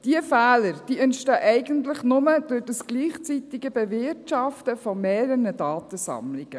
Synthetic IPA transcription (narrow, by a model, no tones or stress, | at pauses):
d̥iəfæːləɾd̥iːɛntʃtœːʔɛɪɡənt̪ləχnʊmədʊdəsɡ̥liːχt͡sit̪ɪɡəbɛvɪɾtʃɑftəfɔmeːɾənədɑːt̪əsɑ̰mlɪɡ̥ə